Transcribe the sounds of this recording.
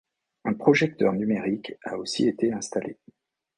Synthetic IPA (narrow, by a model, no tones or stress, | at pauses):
ɛ̃pχɔʒɛk̚t̪œ̰ʁnymeʁikaosḭet̪eɛ̃st̪ale